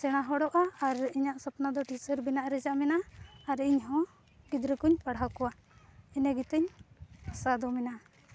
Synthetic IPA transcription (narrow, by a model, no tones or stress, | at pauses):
sɛɽ̃aɦɔɽɔʔaːɾiɲaʔsɔpnad̪ɔʈisəɾbinaʔɾɛd͡ʒaʔmɛnaːɾiɲɦɔ̃ | ɡid̪ɾəkuɲpaɽɦakɔwa | inɛɡit̪əɲ | sad̪ɔmɛna